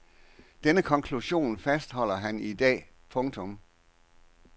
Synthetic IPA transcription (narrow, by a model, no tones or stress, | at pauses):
d̥enəkʰɒ̽ŋkʰluɕo̝̰ːnfæsd̥hɒ̽l̰ɐɦænid̥ɛ̰ː | pʰɔ̽ŋt͡sʰɔ̽m